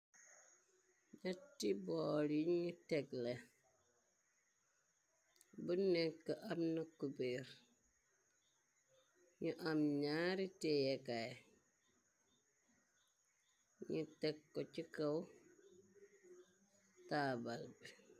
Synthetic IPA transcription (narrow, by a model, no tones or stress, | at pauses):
ɲatːibɔːliɲutɛɡle | bunɛkːəʔɐmnɐkubeɾ | ɲuʔamɲaːɾitɛjɛkaj | ɲutɛkːɔt͡ʃikɐw | taːbalbi